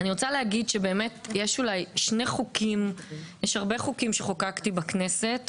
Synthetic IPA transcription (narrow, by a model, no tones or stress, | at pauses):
aniʁot͡salehaɡidʃebe̞ːmetjeʃulajʃneχukimjeʃhaʁbeχukimʃeχokaktibakne̞se̞t